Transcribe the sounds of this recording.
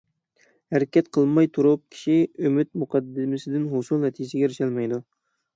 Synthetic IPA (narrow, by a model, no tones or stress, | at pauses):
hæɾɪkʲɛt̪qʰəlˠmɑjt̪ʰuɾup̚kʲʰi̥ʃiømɪt̪̚muqʰɑd̪ːɪmɪsɪd̪ɪnɦosulˠnɛt̪ʰid͡ʒɪsɪɡʲɛɾɪʃɛlmɛjd̪u